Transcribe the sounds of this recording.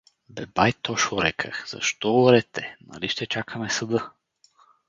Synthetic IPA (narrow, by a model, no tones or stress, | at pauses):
bɛbajt̪ɔʃoɾɛkʰə̰xz̥ɐ̰ʃt̪ɔɾɛt̪ʰɛnɐ̰liʃt̪ɛt͡ʃakʰəmɛsɐd̪ɤ